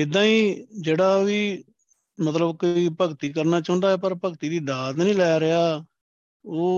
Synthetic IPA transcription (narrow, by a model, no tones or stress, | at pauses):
d͡ʒɪd̪ãːiːd͡ʒeːɽaːʋiː | mət̪ləbkoiːpəkt̪iːkəɾnaːt͡ʃãʊ̃nd̪aːɛːpəɾpəkt̪iːd̪iːd̪aːt̪nĩːlɛːɾɪaː | oː